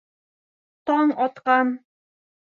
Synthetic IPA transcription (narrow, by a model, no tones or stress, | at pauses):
t̪ɒɴɒt̪qɑn